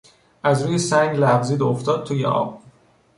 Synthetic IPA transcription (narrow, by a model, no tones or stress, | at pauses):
ʔæzɾuːjesæŋɡlævziːd̪oft̪ɒːd̪̚t̪uːjḛʔɒ̰ːb̥